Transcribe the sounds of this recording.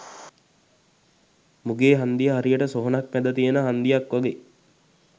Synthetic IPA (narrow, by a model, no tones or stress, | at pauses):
muɡeːɦand̪ijəɦaɾijəʈəsoɦonak̚mɛd̪ət̪ijenəɦand̪ijakʋaɡeː